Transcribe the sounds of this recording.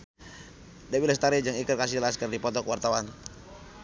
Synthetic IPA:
dawilast̪aɾid͡ʒaŋikərkasilaskərdipɔt̪ɔkwart̪awan

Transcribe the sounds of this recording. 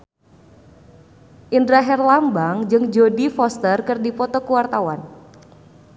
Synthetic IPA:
ʔindɾaɦɛrlambaŋd͡ʒɨŋd͡ʒodifɔst̪ərkɨrdipɔt̪ɔkuwart̪awan

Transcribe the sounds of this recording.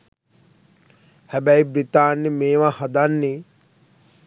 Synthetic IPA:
hæbæjbɾit̪aːnːimeːʋahad̪anːi

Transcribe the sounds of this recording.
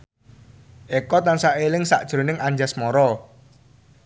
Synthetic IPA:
ʔekɔt̪ansaʔelɪŋsa̰ʔd̥ʒ̥ɾo̤nɪŋaɲd͡ʒasmɔɾɔ

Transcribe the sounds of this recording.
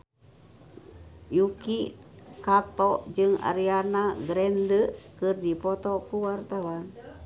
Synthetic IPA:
jukikat̪ɔʔd͡ʒɨŋa̰ɾianaɡɾɛndəkɨrdipɔt̪ɔkuwart̪awan

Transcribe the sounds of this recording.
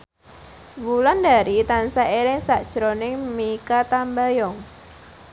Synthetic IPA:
wuland̪aɾit̪ansaelɪŋsaʔd̥ʒ̥ɾonɪŋmikat̪ambajɔŋ

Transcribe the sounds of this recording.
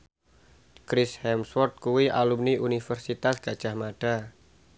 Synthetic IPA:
kɾɪshɛmswɔrt̪̚kuwiʔa̰lumniʔunifərsit̪asɡ̥ad̥ʒ̥ahmad̥a

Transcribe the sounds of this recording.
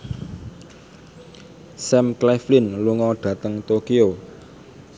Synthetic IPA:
sɛmklɛflɪnluŋɔɖ̥ä̤t̪əŋt̪okio

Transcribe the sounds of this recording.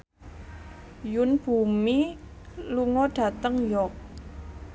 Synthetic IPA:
junb̥ṳmi | luŋɔɖ̥ä̤t̪əŋjɔk̚

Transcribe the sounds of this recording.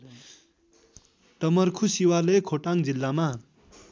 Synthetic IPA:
ʈʌmʌrkʰusiwalekʰoʈaŋd͡zilːama

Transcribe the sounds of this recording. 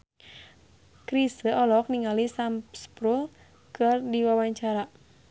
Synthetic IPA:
kɾisəʔɔlɔk̚niŋalisampspɾul | kɨrdiwawaɲt͡ʃaɾa

